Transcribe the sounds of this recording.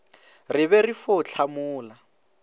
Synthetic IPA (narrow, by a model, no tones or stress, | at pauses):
rɪβɛrifot͡ɬʰamuːla